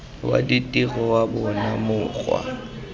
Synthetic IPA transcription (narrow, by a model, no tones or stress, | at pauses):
wa̰ditʼiɣɔwabʊnamʊːɣwa̰